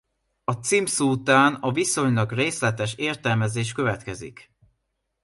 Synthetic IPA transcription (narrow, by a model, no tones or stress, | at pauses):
ɒt̪simsuːt̪aːnɒviso̞ɲlɒɡreːslɛt̪ɛʃeːrt̪ɛlmɛzeːʃkø̞vɛt̪kɛzḭk